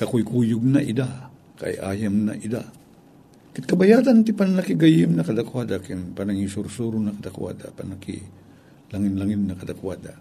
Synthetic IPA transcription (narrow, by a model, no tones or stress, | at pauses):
kakʊjkuːjʊɡ̚naʔɪd̪a | ka̰jʔa̰jamna̰ʔid̪a̰ | kɪt̪̚kɐbajaːd̪ant̪ɪpanlakɪɡajɪmnɐkɐd̪akwad̪akɪnpanaŋisuɾsuɾʊnɐkɐd̪akwa̰d̪a̰pa̰nlakḭ | laŋɪnlaŋɪnnɐkɐd̪akwad̪a